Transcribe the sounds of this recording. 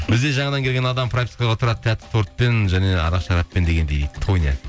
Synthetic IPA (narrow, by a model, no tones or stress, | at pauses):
bɪzd̪e̞ʒɑɴɑd̪ɑŋkʲelʲɡʲenɑd̪ɑmpʰɾak̚t̪ʰʲi̥kaʁɑt̪ʰʊɾɑd̪ət̪ʰːæt̪ːt̪ʰoɾt̪̚pe̞nʒæne̞ɑ̰ɾɑqʃɑɾɑpːe̞nd̪e̞ɡʲe̞nd̪ejt̪ʰonʲija̰